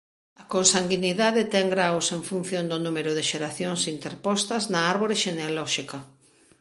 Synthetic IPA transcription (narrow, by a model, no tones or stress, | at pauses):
ɐkonsaŋɡiniðaðɪt̪ɛŋɡɾawseɱfun̟θjond̪ʊnumeɾʊðeʃeɾaθjoŋsint̪eɾpɔst̪ɐznɐaɾβoɾɪʃenealɔʃikɐ